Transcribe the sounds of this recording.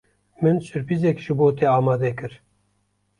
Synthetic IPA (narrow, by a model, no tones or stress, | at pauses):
mɨnsɨɾpizɛkʒɨboːt̪eːɑːmɑːd̪ɛkɨɾ